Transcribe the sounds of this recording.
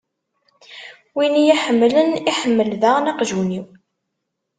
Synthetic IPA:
winijæħəmːləniħəmːəlðæʁnɑqʒuniw

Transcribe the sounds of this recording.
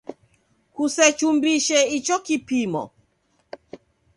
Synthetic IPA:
kusɛt͡ʃumbiʃeit͡ʃɔkipimɔ̰

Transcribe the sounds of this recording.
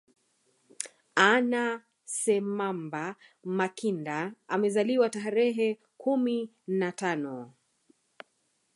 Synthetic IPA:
ana | sɛmamba | makindaamɛzaliwataɾɛɦɛ | kumi | natanɔ

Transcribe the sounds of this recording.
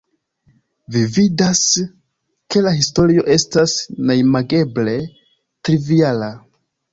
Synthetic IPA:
vividas | ke̞lahisto̞ɾio̞ʔe̞stasnajmaɡe̞ble̞ | tɾiviala

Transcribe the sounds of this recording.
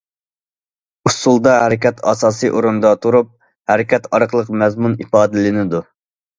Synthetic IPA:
usulˠd̪ɑhæɾɪkʲɛt̪ʰɑ̰sɑːsɨʔoɾund̪ɑt̪ʰuɾup̚ | hɛɾɪkʲɛt̪ɑɾqlˠəqmɛzmunipɑːd̪ɪlɪnɪd̪u

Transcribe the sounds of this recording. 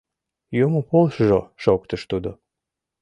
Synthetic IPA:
jomopolʃʒoʃokt̪əʃt̪ud̪o

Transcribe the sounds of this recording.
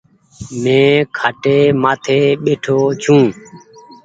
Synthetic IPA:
mẽːkʰaːʈeːmaːt̪ʰeːɓeːʈʰoːt͡ʃʰũː

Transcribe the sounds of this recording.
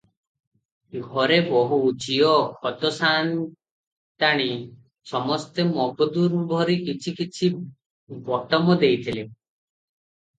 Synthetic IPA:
ɡʱɔɾebɔɦuːt͡ʃiɔkʰɔt̪ɔsan | t̪aɽ̃i | sɔmɔst̪emɔɡɔd̪uɾbʱɔɾikit͡ʃʰikit͡ʃʰi | bɔʈɔmɔd̪ejt̪ʰile

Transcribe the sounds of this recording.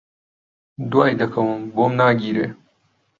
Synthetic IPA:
d̪uwaːjd̪ɐkʰɐwumbomnaːɡiːɾeː

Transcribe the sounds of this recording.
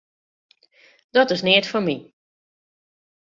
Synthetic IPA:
d̥ɔtɪsnɪətfɔmi

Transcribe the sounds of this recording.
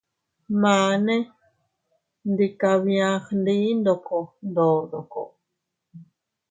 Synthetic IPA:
maːne | nd̪ikaβĩãχnd̪ind̪okond̪od̪oko̰

